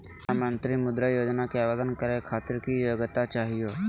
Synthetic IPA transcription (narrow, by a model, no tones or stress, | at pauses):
amə̃nt̪ɾimʊd̪ɾəjoːd͡ʒnakeaːʋed̪ənkəɾekʰaːt̪ɪɾkijoːɡt̪at͡ʃaːɦijoː